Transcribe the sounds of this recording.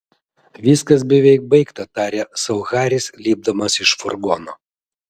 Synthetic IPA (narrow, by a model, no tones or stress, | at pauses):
ʋʲiːskɐs̬bʲɛʋʲɛɪk̚bɐɪkt̪ɐt̪ɑːɾʲeːsɐʊɣɑːɾʲɪslʲiːb̚d̪ɐmɐsɪʃfɔɾɡɔnoː